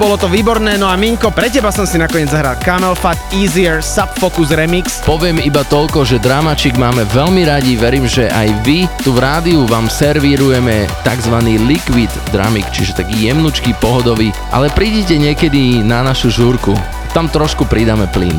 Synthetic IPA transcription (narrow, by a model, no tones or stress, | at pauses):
bɔlɔt̪ɔʋiːbɔɾnɛːnɔamiɲkɔpɾɛcɛbasɔmsinakɔɲɪɛd͡zzaɦɾalkamɛlfat̪iːziɛɾsapfɔkuzɾɛmikspɔʋɪɛmibat̪ɔʎkɔʒɛd̪ɾaːmat͡ʃiːɡmaːmɛʋɛʎmiɾaɟiʋɛɾiːmʒɛʔajʋit̪uvɾaːd̪iuʋaːmsɛɾʋiɾujɛmɛt̪aɡzʋaniːlikʋid̪ːɾa̰mikt͡ʃiʒɛt̪aɡijɛmnut͡ʃkipɔɦɔd̪ɔʋiː | ʔa̰lɛpɾiːɟɛcɛɲɪɛkɛd̪inanaʃuʒuɾku | t̪amt̪ɾɔʃkupɾid̪amɛplḭn